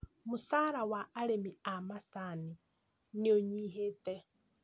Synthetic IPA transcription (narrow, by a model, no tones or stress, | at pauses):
musaɾawaʔːɺemiamasani | nioɲiɦeːtʼɛ